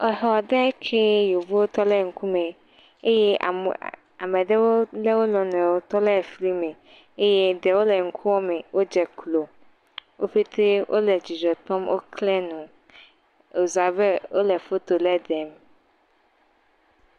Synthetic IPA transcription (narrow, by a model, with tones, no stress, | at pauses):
ɔ˨ɦɔ˨dɛ˦kʰe˦jo˨vu˦wo˦t̪ɔ˦lɛ˦˨ŋ̩˨kʰũ˦mẽ˨ | e˦jɛ̰˦˨ | a˨mɛ˨dɛ˦wo˦lɛ˦wo˦lɔ̃˨nɛ̃˨wo˦t̪ɔ˦lɛ˦˨fli˦mẽ˨ | e˦jɛ˦dɛ˨wo˦lɛ˨ŋ̩˦kʰũ˦wɔ˦mɛ̃˨wʔo˦d͡ʒɛ˨klo˨ | wo˦ɸe˦t̪ʰe˦wʔo̰˦lɛ˨d͡ʑi˨d͡ʒɔ˨t̪ɔ̃˦mwʔo̰˦kʰlɛ˦nũ˨ | o˨zu˨a˨bɛ˦wo˦lɛ˨fo˦t̪o˨lɛ˦d̪ɛ˨m˨